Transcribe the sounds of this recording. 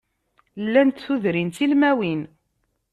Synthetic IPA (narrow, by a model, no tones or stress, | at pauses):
lːænt̪θuðɾint̪ilmæwin